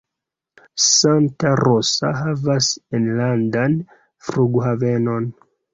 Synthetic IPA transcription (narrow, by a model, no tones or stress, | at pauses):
saŋtaɾosa̰ɦavasenlandan | fɾuɡhave̞no̞n